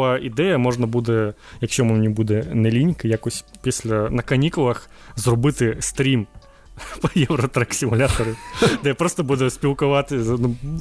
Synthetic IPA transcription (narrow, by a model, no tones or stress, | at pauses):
aʔid̪ɛjɐmɔʐnɐbud̪ɛjɐkʃʲt͡ʃɔmʊmnʲibud̪ɛnɛlʲinʲkɐjakɔsʲpʲisʲlʲɐnɐkɐnʲikʊlˠɐx | zrɔbɪt̪ɪst̪ɾʲim | pɐjɛʋɾɔt̪ɾɐksʲimʊlʲat̪ɔɾʊd̪ɛjapɾɔst̪ɔbud̪ɛsʲpʲilˠkʊʋɑt̪ɪnu